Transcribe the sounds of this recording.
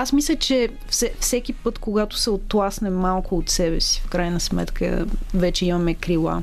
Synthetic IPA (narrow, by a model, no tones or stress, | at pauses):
asmislʲət͡ʃɛ | fsɛfsɛkʲipɤt̪koɡat̪ʊ̥sɛot̪lˠasnɛmalˠkʊot̪sɛbɛ̰si̥fkɾajnəsmɛ̰t̪kʰə̰vɛt͡ʃɛimɐmɛkɾilˠa̰